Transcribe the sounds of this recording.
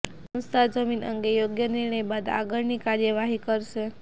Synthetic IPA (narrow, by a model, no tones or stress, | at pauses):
sə̃w̃st̪ʰad͡zəminə̰ŋɡejoɡjəniɾɳ̃əjbad̪a̰ɡəɾnikaɾjəʋaɦikəɾʃe